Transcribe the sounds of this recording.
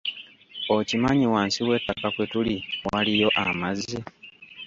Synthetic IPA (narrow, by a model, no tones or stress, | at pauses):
ocimaɲiwaːnsiwe̞ːtːakakwe̞tuliwalijo̞ʔamazi